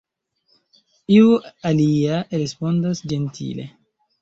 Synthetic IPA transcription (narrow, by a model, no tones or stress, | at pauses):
iualiaɾespondasd͡ʒentʰḭle